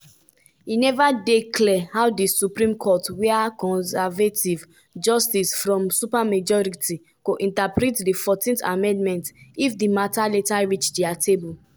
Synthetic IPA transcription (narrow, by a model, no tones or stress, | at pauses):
inɛvadeklɛhawdisupɹĩmkʰɔtweakɔ̃nsɛvetiv | d͡ʒɔstisfɹɔ̃msupamad͡ʒɔɹitʰi | ɡ̥oʔĩntapɹitdifɔtĩntamɛ̃ndmɛ̃ntifdimataletaɹit͡ʃdiatʰebul